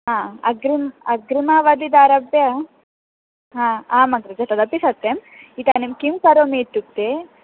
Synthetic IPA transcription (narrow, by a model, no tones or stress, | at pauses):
ɦãːɐ̰ɡɾimɐɡɾimaːʋɐd̪id̪aːɾɐbjɐ | ɦãːaːmɐnt̪ɾɐd͡ʒɐt̪ɐd̪ɐpisɐt̪ːem | it̪aːnimkimkɐɾoːmiʈ̪ːuk̚t̪e